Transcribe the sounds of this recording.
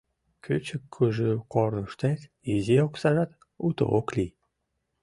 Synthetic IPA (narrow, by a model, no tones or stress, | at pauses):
kʰʲøt͡ɕəkʰːɯʒɯqornuʃt̪et̪ | izioksɑʒɑt̪ | ut̪o̰okli